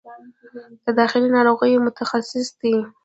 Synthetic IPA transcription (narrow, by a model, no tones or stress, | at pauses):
d̪̥əd̪ɑxɪlinɑɾoɣəjmʊt̪axasɪsd̪i